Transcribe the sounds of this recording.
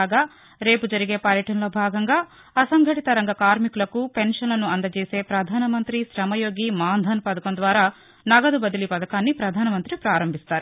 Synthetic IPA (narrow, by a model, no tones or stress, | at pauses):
aɡaː | ɾe̞ːpud͡ʒɐɾiɡe̞ːpɐɾjɐʈɐnɐloːbʱaːɡɐŋɡaː | ɐsɐŋɡʱɐʈit̪ɐɾɐŋɡɐkaːɾmikulɐkupe̞nʂɐnlɐnuɐnd̪ɐt͡ʃeːse̞ːpɾɐd̪ʱaːnɐmɐnt̪ɾiʃɾɐmɐjo̞ːɡimaːnd̪ʱɐnpɐd̪ɐkɐnd̪ʋaːɾaː | nɐɡɐd̪ubɐd̪ilipɐd̪ɐkaːnːipɾɐd̪ʱaːnɐmɐnt̪ɾipɾaːɾɐmbʱist̪aːɾu